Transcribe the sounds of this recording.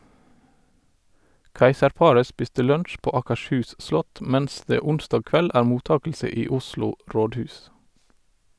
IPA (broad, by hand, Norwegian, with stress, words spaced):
ˈkæɪsəɾˌpɑɹə ˈspɪstə ˈlœntʃ ˈpoː ˌɑːkəʃˈhʉːs ˈʔslɔt ˈmæns ˈdeː ˈʊnstɑːɡ ˈkʋɛl ˈʔæːɹ ˈmuːˌtɑːkəlsə ˈiː ˈʊsluː ˈɾoːdˌhʉːs